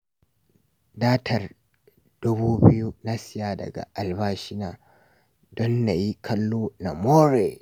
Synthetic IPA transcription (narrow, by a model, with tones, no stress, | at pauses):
daː˦tʰɐ˨r | d̥ʊ˦buː˦bɪ˦ju˦na˦sɪ˦ja˨dɐ̰˨ɡa̰˨ʔa˨lbaː˦ʃɪ˦naː˨ | dɔ˦nːa˨ji˦kʰɐ˦lːoː˦na˨moː˦ɾe˨